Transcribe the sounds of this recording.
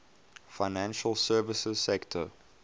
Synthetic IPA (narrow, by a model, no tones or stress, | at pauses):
faɪnæ̃nʃəlˠsɜːvɪsəz̥sɛktʰə